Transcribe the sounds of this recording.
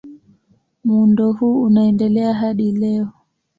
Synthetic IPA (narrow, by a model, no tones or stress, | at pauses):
mundɔhuːunaɛndɛlɛaɦaɗilɛɔ